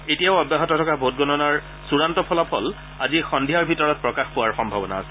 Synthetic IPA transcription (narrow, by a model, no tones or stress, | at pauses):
etijaʊɔbjaɦɔtɔtʰɔkabʱot̚ɡɔnɔnaɹ | suɹantɔpʰɔlapʰɔl | azixɔndʱiaɹbʱitɔɹɔt̚pɹɔkaxpʊwaɹxɔmbʱabɔna̰a̰sɛ